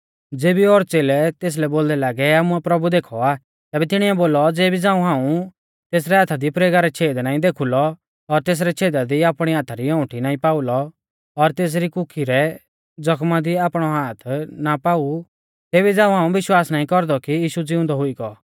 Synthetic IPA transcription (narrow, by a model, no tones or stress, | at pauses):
d͡zeːbiɔːɾt͡seːlɛt̪eːs̬lɛboːld̪ɛlaːɡɛaːmuɛpɾɐbud̪eːkʰɔaː | t̪ɛːbɛt̪ɪɽ̃iɛboːlɔd͡zeːbid͡zãːũɦãːũ | t̪eːs̬ɾɛɦaːt̪ʰad̪ipɾeːɡaɾɛt͡ʃʰeːd̪naːĩd̪eːkʰulɔ | ɔɾt̪eːs̬ɾɛt͡ʃʰeːd̪ad̪iaːpɽ̃iaːt̪ʰaɾiɔ̃ʊʈʰinaːĩpaːʊlɔː | ɾt̪eːs̬ɾikʊkʰiɾɛ | d͡zɔkʰmad̪iaːpɽ̃ɔɦaːt̪ʰnapaːu | t̪eːbid͡zãːũɦãːũbɪʃwaːsnaːĩkɔɾd̪ɔkijiːʃud͡zɪʊ̃nd̪ɔɦʊiɡɔ